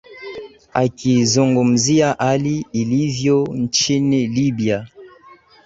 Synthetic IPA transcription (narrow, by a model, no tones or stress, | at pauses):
a̰kʰizɔŋɡɔm̩ziaʔaliilivjon̩t͡ʃinɛlibja